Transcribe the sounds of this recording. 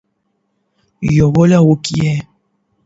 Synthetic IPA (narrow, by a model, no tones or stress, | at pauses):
jɔβɔlawokijɛ